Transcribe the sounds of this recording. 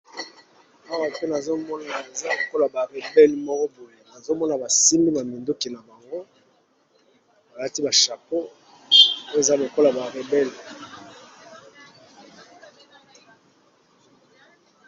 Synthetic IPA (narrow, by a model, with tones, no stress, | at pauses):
a˦wa˨pe˦na˨zo˦mɔ˦na˨e˨za˦lo˨ko˦la˨ba˨ʁe˨bɛ˦lmɔ˦kɔ˦bo˨je˨na˨zo˦mɔ˦na˨ba˨si˦mbi˦na˨mi˨ndo˦ki˨na˨ba˨ŋɡo˦ | ba˨la˦ti˦ba˨ʃa˨po˦ | o˦e˨za˦lo˨ko˦la˨ba˨ʁe˨bɛ˦l